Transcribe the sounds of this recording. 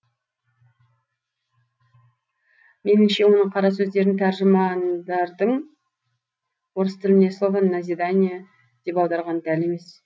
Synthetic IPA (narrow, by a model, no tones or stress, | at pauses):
me̞nɪmʃe̞wo̞nəqʰɑɾɑsɵzd̪e̞ɾd̪ɪŋt̪ʰæɾʒəmɑnd̪ɑɾd̪əɴ | wo̞ɾəst̪əɾɪneslˠovənːazʲid̪anʲija | d̪̥e̞pɑw̪ˠd̪ɑɾʁɑnd̪æle̞me̞s